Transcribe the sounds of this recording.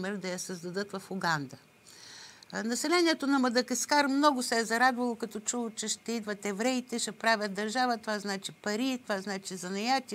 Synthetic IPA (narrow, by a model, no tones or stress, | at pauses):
mɛɾd̪ɐjɐsɐzd̪ɐd̪ɤt̪vɐfʊɡand̪ə | nɐsɛlɛniɛt̪onɐmɐd̪ɐkɐskaɾmnɔɡʊsɛɛzɐɾad̪vɐlˠokɐt̪ɔt͡ʃuvˠot͡ʃɛʃt̪ɛid̪vət̪ɛvɾɛit̪ɛʃɛpɾavʲət̪̚d̪ɐɾʒavət̪ovaznat͡ʃipɐɾit̪ovaznat͡ʃizɐnɐjat̪ʲi